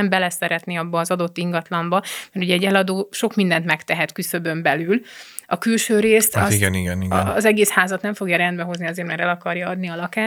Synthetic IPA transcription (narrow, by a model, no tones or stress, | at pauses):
ɛmbɛlɛsɛɾɛt̪niɒbːɒːzɒd̪o̞t̪ːiŋɡɒt̪lɒmbɒmɛrt̪uɟɛɛɟːɛlɒd̪oːʃo̞kmind̪ɛnt̪mɛkt̪ɛɦɛt̪kysø̞bø̞mbɛlyl | ɒkylʃøːɾeːst̪ɒiɡɛniɡɛniɡɛːzɛɡeːshaːzɒt̪nɛɱfo̞ɡjɒɾɛnd̪bɛɦo̞zniɒzeːrmɛɾɛlɒkɒrjɒɒd̪niɒlɒkaː